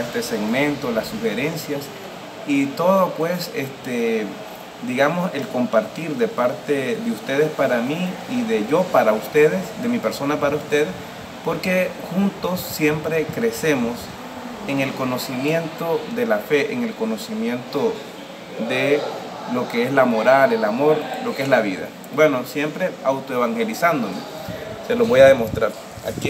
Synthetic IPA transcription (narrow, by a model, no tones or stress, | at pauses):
est̪e̞se̞ɣmẽ̞nt̪o̞lasuxe̞ɾe̞nsjas | it̪o̞ðopwe̞sest̪e | d̪iɣamo̞se̞lko̞mpaɾt̪iɾðe̞paɾt̪e̞ðe̞ust̪e̞ð̞e̞spaɾamiːðe̞ʝo̞paɾaust̪e̞ðesd̪e̞mipe̞ɾso̞napaɾaust̪e̞ðes | po̞ɾke̞xunt̪o̞sːje̞mpɾe̞kɾe̞se̞mo̞s | eŋe̞lko̞no̞simje̞nt̪o̞ðe̞lafe̞ʔeŋe̞lko̞no̞simje̞nt̪o̞ | ðe̞ | lo̞ke̞eslamo̞ɾale̞lamo̞ɾlo̞keeslaβiða̰ | bwe̞no̞sje̞mpɾe̞awt̪oeβaŋxe̞lisand̪o̞me | seloβo̞jaðe̞mo̞st̪ɾaɾ | a̰k